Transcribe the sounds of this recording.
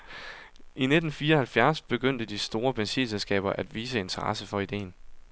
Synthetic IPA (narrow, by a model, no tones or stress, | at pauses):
ʔine̝d̥n̩fiːɐɒhælfjæɐsb̥e̝ɡ̥øn̰d̥əd̥isd̥o̝ːɐb̥ensḭːselsɡ̥ɛ̰ːb̥ɐʔæd̥ʋiːsəe̝nt͡sʰɐʁɑ̈səfɒ̽id̥e̝̰ːn